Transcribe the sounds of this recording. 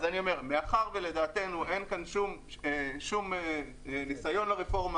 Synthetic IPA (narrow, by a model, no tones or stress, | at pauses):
zanio̞me̞ʁmeaχaʁvele̞d̪aːt̪e̞nuʔe̞nkanʃum | eʃume | nisajo̞nlaʁefo̞ʁma